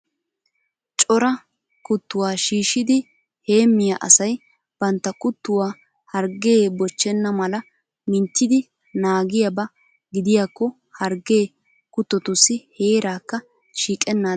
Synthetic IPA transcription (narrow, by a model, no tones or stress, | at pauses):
t͡ʃʼɔɾɐ | kʊt̪ːʊwaːʃiːʃɪd̪ɪ | he̞ːmːɪjɐʔɐ̰sɐj | b̥ɐnt̪ːɐkʊt̪ːʊwaː | hɐɾɡe̞ːbɔt͡ʃːɛnːɐmɐlɐ | mɪnt͡ʃːɪd̪ɪ | naːɡɪjabɐ | ɡɪd̪ɪjaːkːɔ | hɐɾɡe̞ː | kʊt̪ːɔt̪ʊsːɪheːɾaːkːɐ | ʃiːkʼɛnːaː